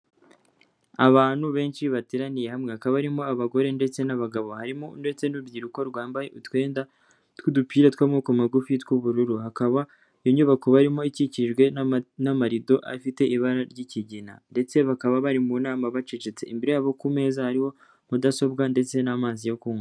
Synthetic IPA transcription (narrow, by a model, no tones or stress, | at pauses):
aβaːn̥huβe̞ːnt͡ʃiβatiɾanije̞hamŋehakaβaβaɾimo̞aβaɡo̞ɾe̞nde̞t͡se̞naβaɡaβo̞haɾimonde̞t͡se̞nuubɟiːɾuko̞ɾɡwaːmbajḛʔutwe̞ːnda | tkudupiːɾatkwamŋokumaɡufitwuβuɾuɾuhakaβa | joɲuβakoβaɾimo̞iciciʒɡwe̞namaɾido̞ʔa̰fite̞ʔiβaɾaɾɟiciɟina̰nde̞t͡se̞βakaβaβaɾimunaːmaβat͡ʃet͡ʃet͡se̞̰imbiɾejaβo̞kume̞ːzahaɾiho̞ | mudaso̞bɡande̞t͡se̞namaːzijokuːŋo